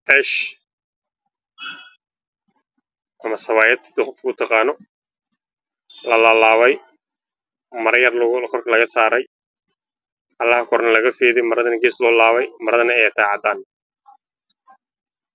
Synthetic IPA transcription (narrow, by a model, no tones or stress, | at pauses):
ʔɛʃ | ʔɐmɐsɐβaːjɐd̪sd̪ɪqɔfkʊt̪ʰɑqɑːnɔ | lɐlaːlaːβɛj | mɐɾɐjɐrkʰɔrkʰɐlɐɣɐsaːɾɛj | ɐlːɐhɐkʰɔɾnɐlɐɣɐfɛːðɛjmɐɾɐðɐnɐɡɛːslɔːlaːβɛjmɐɾɐðɐnɐɛjɪt̪ʰaːʕɑd̪aːn